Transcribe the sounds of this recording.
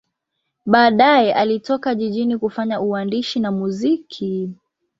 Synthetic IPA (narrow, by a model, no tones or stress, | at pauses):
ɓaːɗajɛʔalitɔkaʄiʄinikufaɲauwandiʃinamuzikʰi